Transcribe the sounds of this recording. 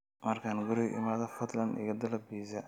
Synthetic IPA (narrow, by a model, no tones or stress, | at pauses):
mɐrkʰaːnɡʊɾɪʔɪ̰maːðɐfɐt̪lɐnd̪ɪ̰ɣɐd̪ɐlɐbiːzɐ